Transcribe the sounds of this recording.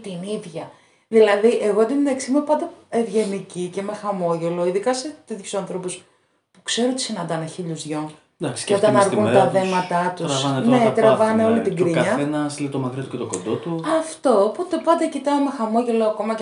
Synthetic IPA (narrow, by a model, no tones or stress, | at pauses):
t̪iniðʝɐ | ðilɐðiʔe̞ɣod̪imðeksimepɐnd̪ɐevʝe̞nicice̞me̞xɐmo̞ʝe̞lo̞iðikɐset̪iðçusɐnθɾo̞pus | pu̥kse̞ɾoot̪isinɐnd̪ɐneçiʎuzðʝo | d̪ɐksi̥seot̪ɐnɐɾɣunt̪ɐθe̞mɐt̪ɐt̪usɐvɐnnne̞t̪ɾɐvɐneo̞lit̪iɡ̪ɾiɐɲɐenɐslit̪omɐkɾit̪ucet̪oɡond̪ot̪uɐft̪opot̪epɐnd̪ɐcit̪ɐme̞xɐmo̞ʝe̞lo̞ɐko̞mɐ